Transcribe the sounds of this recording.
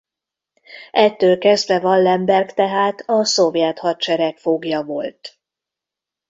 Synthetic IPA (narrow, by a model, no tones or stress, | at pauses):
ɛt̪ːøːlkɛzd̪vɛvɒnlɛmbɛrkt̪ɛɦaːt̪ɒso̞vjɛt̪hɒt͡ʃɛɾɛkfoɡjɒvo̞lt̪